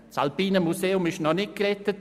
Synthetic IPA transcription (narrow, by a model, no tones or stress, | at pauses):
salpiːnəmuseːʊmɪʃnɔnɪk̚kɾɛtːət